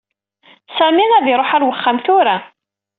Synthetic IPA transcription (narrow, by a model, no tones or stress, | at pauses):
sæminæðɪɾˤoħaɾwəχːamθʊɾa